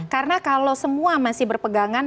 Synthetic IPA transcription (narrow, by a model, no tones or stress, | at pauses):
kaɾənakalowsəmuamasɪhbərpəɡaŋan